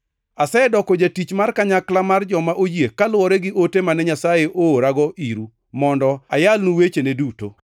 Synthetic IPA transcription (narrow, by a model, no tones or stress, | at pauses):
asɛdɔkod͡ʒatit͡ʃmarkaɲaklamard͡ʒɔmaʔod͡ʒekalwɔɾɛɡɪʔotemanɛɲasajeʔoːɾaɡɔʔiɾu | mɔndɔajalnuwet͡ʃeneduto̰